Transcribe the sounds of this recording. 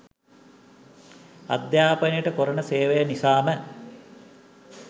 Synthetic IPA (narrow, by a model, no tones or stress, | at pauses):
ɐ̰d̪jaːpɐnijəʈəkoɾənəseːʋejanisaːmə